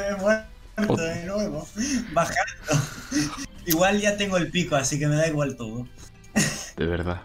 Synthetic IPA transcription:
emwe | ɾt̪oðenweβobaxat̪o | iɣwalʝat̪e̞ŋɡoelpikoasike̞me̞ðaiɣwalt̪oðo | d̪eβeɾða

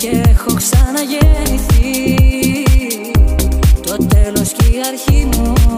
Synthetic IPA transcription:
ceexoksɐnɐʝeniθi | t̪o̞t̪elo̞sciɐɾçinu

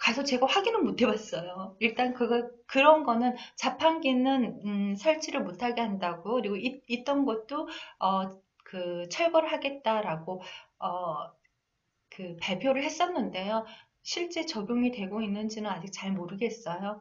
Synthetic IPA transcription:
kasʰʌt͡ɕe̞ɡaɸwaɡinɯnmotʰe̞was͈ʌjoiɭt͈ankɯɡʌkɯɾʌnɡʌnɯnt͡ɕapʰanɡinɯnɯsʰaɭt͡ɕʰiɾɯɭmotʰaɡeɦandaɡojokɯɾiɡoiit͈ʌnɡʌt̚t͈oʌ | kɯt͡ɕʰʌɭɡʌɾɯɭɦaɡe̞t̚t͈aɾaɡoʌ | kɯpaɭpʰjoɾɯɭhes͈ʌnːɯnde̞jo | ɕʰiɭt͡ɕ͈e̞t͡ɕʌɡjoŋitwe̞ɡoinːɯnd͡ʑinɯnad͡ʑik̚t͡ɕaɭmoɾɯɡe̞s͈ʌjo

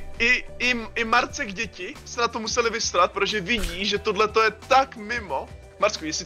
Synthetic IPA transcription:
ʔɪɪɪmaɾt͡sɛɡɟɛcɪsɛnat̪omusɛlɪvɪst̪aɾat̪̚pɾot̪oʒɛvɪɟiːʒɛt̪odlɛt̪o̞jɛt̪akmɪmo̞ | maɾt͡skujɛsɪ

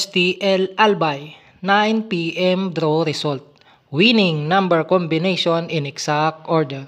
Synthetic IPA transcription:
st̪iʔɛlʔalbaj | najnpiʔɛmd̪ɾoɾɪsɔlt̪̚ | winɪŋnãmbɛɹkɔmbɪnejʃonɪnɛksak̚t̪ʔɔɹd̪ɛɹ

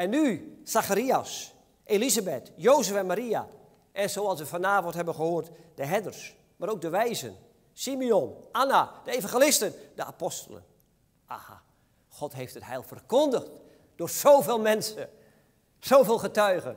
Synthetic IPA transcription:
ɛnːysaxaɾias | ʔelizabɛtjowzəfɛnmaɾia̰ | ʔɛnzowɑlˠsʋəfanaːvɔntɦɛbənχəhoːrtd̥əɦɛdərs | maːɾowk̚dəʋɛjzə̰n | simionʔanad̥əevãŋχelɪstənd̥əa̰pɔstələ̰n | ʔa̰ha̰ | xɔtɦejftəthɛjlˠfərkɔndəxt | d̥oːrz̥owveːlˠmɛnsə | z̥owveːlˠχətœɥɣə̰n

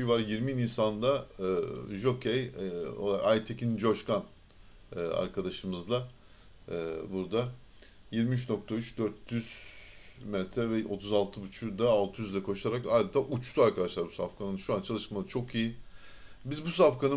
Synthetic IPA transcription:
jvaɾjiɾmininsand̪a | ʒokʰej̰ | ajt̪ʰecʰind͡ʒoʃkanː | a̰ɾkʰad̪aʃɯmɯzlˠaː | buɾd̪a | jiɾmiyt͡ʃno̞k̚t̪ʰayt͡ʃd̪øɾt̪ːyz̥ | mɛt̪ʰɾɛvɛo̞t̪ʰuzalˠt̪ʰɯbut͡ʃʰud̪aːlˠt̪ʰɯjyzd̪ɛkʰo̞ʃaɾakajd̪ɯt̪ʰaːʔut͡ʃt̪ʰuaɾkʰad̪aʃlˠaɾbusafkʰanɯnʃuant͡ʃʰalˠɯʃmalˠɯt͡ʃʰo̞kiji | bizbus̬afkʰanɯ

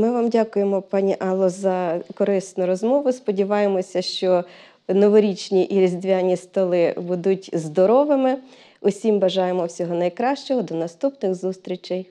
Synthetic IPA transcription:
mɪʋɑmdʲakʊjemɔpɑnʲiʔɑlˠːɔzɐkɔɾɪsnʊɾɔzmɔʋʊspɔdʲiʋɑjemɔsʲɐʃt͡ʃɔ | nɔʋɔɾʲit͡ʃnʲiʔiɾʲizʲd̪ʋʲanʲist̪ɔlˠɪbud̪utʲzd̪ɔɾɔʋɪmɪ | ʊsʲimbɐʒɑjemɔwsʲɔɦɔnɐjkɾɑʃt͡ʃɔɦɔd̪ɔnɐst̪upnɪxzust̪ɾʲit͡ʃɪj

